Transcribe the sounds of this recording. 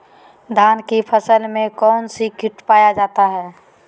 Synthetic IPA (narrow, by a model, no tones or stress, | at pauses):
d̪ʱaːnkipʰəsəlmẽkɔːnsikɪʈpaːjad͡ʒaːt̪aɦɛː